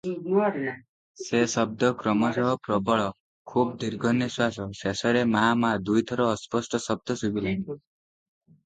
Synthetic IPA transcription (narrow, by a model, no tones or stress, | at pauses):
sesɔb̚d̪ʱɔkɾɔmɔsɔɦɔpɾɔbɔɭɔ | kʰubd̪iɾɡʱɔnːiswasɔsesɔɾemaɦamad̪ujt̪ʰɔɾɔːspɔsʈɔsɔb̚d̪ʱɔsubila